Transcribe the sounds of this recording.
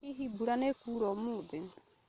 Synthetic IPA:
iɦibuɾanekuɾɔmud̪ɪ

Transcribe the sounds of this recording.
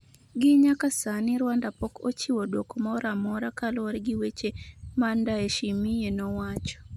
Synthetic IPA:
ɡɪɲakasanɪɾwandapɔkot͡ʃiwɔdokɔmɔɔɾamɔɾakalwɔɾɡɪwet͡ʃemandaeʃimijenɔwat͡ʃɔ̥

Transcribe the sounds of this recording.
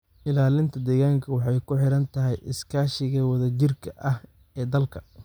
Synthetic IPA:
ʔɪlaːlɪnt̪ʰɐd̪ɛːɣaːŋkʰɐwɑħɑjkʰʊħɪɾɐnt̪ʰɐɦɛjʔɪskʰaːʃɪɣɐwɐðɐt͡ʃɪrkʰɐʔɐh | ɛːd̪ɐlkʰɐ̥

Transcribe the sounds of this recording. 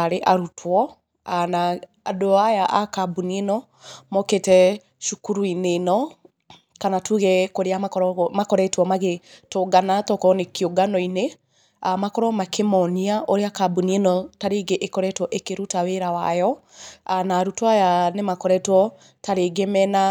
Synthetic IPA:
aɾeʔaɾutʰwɔ | anaː | doajaʔakabunienɔ | mɔketɛ | ʃukuɾuinenɔ | kanatuɣɛkoɾeamakɔɾɔmakɔɾɛtwɔmaɣetoɡanatɔkɔnekioɡanɔine | amakɔɾɔmakʰemɔniaʔoɾeakabunienɔtaɾeɡeʔekɔɾɛtwɔʔekeɾutaweɾawa̰jɔanaːɾutwajanemakɔɾɛtwɔ | taɾeɡemɛna

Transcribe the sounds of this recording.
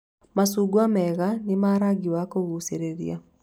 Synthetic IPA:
masuɡwamɛɣanemaɾaɡiwakoɣuseɾeɾia

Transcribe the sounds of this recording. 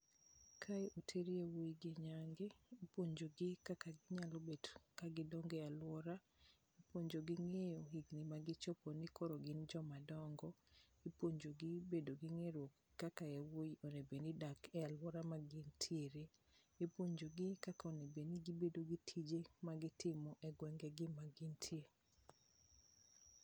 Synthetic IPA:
kʰajʔotʰeɾewojiɡɪɲaŋɡeːpwoɲd͡ʒoɡɪkakaɡɪɲalobedkaɡɪdɔŋɡɛalwɔɾa | ipoɲd͡ʒoɡɪŋejoɦiɡnimaɡɪt͡ʃɔponikoɾoɡɪnd͡ʒɔmadɔŋɡɔ | ipoɲd͡ʒoɡɪbedoɡɪŋeɾo | kakaewojonebenidakɛalwɔɾamaɡɪntʰjeɾe | epoɲd͡ʒoɡɪkakaonebeniɡibedoɡitʰid͡ʒemaɡɪtɪmɔʔɛɡwɛŋɡɛɡɪmaɡɪntʰie

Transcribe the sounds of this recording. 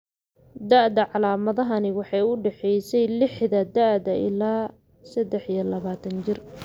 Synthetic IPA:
d̪aʔd̪ɐʕɑlaːmɐðɐɦɐnɪwɑħɑjʊɖɛħɛjsɛjlɪħðɐd̪aʔd̪ɐʔɪ̰laː | sɐd̪ɛħijɐlɐβaːt̪ʰɐnt͡ʃɪr

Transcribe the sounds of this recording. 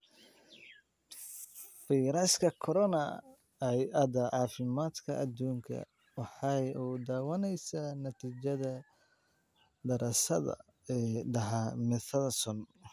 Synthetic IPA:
fijɾɐskʰɐkʰɔɾɔnɐ | ɛjɐd̪ɐʕɑːfɪmaːd̪kʰɐʔɐd̪ːuːŋkʰɐ̰ | wɑħɑjuːd̪aːwɐnɛjsanɐt̪ʰiːt͡ʃɐðɐ | d̪ɐɾɐsɐ̰ðɐ̰ | ɛːɖɐɦamɪθɐðɐsɔn

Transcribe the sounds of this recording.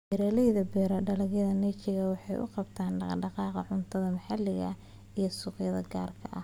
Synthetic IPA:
bɛɾɛlɛjðɐbɛːɾɐɖɐlɐɣjɐðɐnɛt͡ʃɪɣɐwɑħɑjʔʊ̰qɑbt̪ʰaːnɖɑqɑːqɑʕʊnt̪ʰɐðɐmɐħɑlːɪɣɐ̰ | ijɞsʊːqjɐðɐɡaːrkʰɐʔɐh

